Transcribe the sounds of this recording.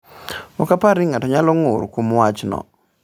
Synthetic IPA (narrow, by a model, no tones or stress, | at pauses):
ɔkapaɾɪŋatɔɲalɔŋoɾkomwat͡ʃnɔ̰